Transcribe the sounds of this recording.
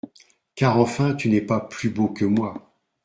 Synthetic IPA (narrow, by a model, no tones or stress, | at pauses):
kaʁɑ̃fɛ̃t̪ynɛpaplybokəmwa